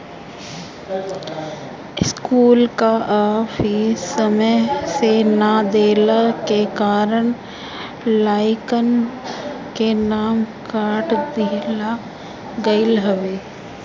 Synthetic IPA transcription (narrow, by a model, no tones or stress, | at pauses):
ɪskuːlkaʔaːfiəməjsenad̪eːlakekaːɾəɳ̃ | laːɪkən | kenaːmkaːɾʈd̪ɪla | ɡɐɪlɦəʋeː